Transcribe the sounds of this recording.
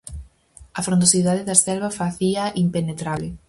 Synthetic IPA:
ɐfɾõnd̪osiðaðeðasθɛlβɐfaθiɐʔimpenet̪ɾaβle

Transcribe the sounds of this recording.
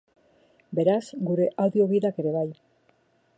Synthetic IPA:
be̞ɾazɡuɾe̞ʔawðio̞βiðake̞ɾe̞βaj

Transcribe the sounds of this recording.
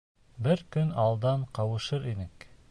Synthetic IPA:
bɘɾkɵnɑlˠd̪ɑɴqɑwɤ̆ʃɤɾinɘk

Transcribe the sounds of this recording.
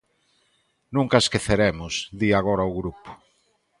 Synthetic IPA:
nũŋkaeskeθeɾemʊsd̪iaɣ̞oɾaoɣɾupʊ̥

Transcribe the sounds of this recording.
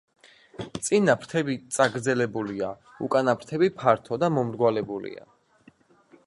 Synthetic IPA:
t̪sʼinapʰɾt̪ʰɛbit̪sʼaɡɾd̪zɛlɛbulia | ṵkʼanapʰɾt̪ʰɛbipʰaɾt̪ʰɔd̪amɔmɾɡwalɛbulḭa̰

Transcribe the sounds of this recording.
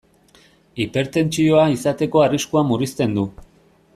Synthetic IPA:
ipe̞ɾt̪e̞nt͡sio̞aisat̪e̞ko̞ariskuamurist̪e̞nd̪u

